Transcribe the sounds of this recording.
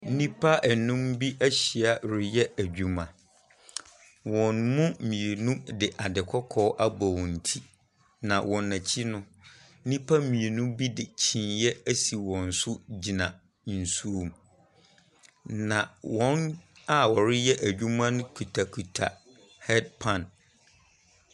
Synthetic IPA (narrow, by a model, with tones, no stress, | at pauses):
nĩ˦pʰa˦ʔɛ˨nʊ̃˦mbi˦ʔæ˦ɕi˨a˨ɾɪ˦jɛ˦æ˨d͡ʑᶣu˨mã˨ | wɔ̃˨nmʊ̃˦mĩ˨e˨nũ˦dɪ˨ʔa˨dɪ˨kʰɔ˦kʰɔː˦ʔa˦bɔ˨wɔ̃˨n̩˨tʰi˦ | nã˨wɔ̃˨nːã˨t͡ɕʰi˦nʊ̃˦ | nĩ˦pʰa˦mĩ˨e˨nũ˦bi˦dɪ˨t͡ɕʰĩ˨njɛ˦æ˦si˨wɔ̃˨n̩˨sʊ˦d͡ʑi˨nã˨ | n̩˨su˦o˨m | nã˨wɔ̃˦n | a˦wɔ˨ɾɪ˦jɛ˦ʔæ˨d͡ʑᶣu˦mã˦nʊ̃˦kʰu˨tʰa˨kʰu˨tʰa˨ | hɛ˦d̚pʰã˨n